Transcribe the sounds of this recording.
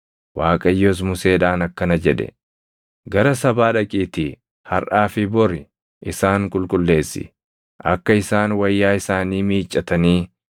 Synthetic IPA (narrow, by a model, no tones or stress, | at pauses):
waːkʼɐjːoːs̬mʊse̞ːᶑaːnɐkːɐnɐd͡ʒɛᶑɛ̰ | ɡɐɾɐsɐbaːᶑɐkʼiːt̪i | hɐɾʔaːfɪbɔɾɪ | ʔɪsaːŋkʼʊlkʼʊlːe̞ːsːɪ̰ | ʔɐkːɐɪsaːnwɐjːaːɪsaːniːmiːt͡ʃʼːɐt̪ɐniː